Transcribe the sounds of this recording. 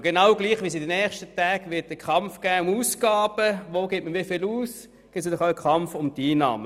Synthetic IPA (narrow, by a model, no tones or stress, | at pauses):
ɡ̥enɑwɡliːχʋis̬ɪdənɛːχʃtətæːɡʋɪt̚d̥əkʰχɑmfɡ̥æːʊmuːsɡ̥ɑːb̥əʋoːɡetməʋiːfɪluːs | ɡ̥ɪtsdɔχaəkʰɑmfʊmdiːnɑ̰ːmə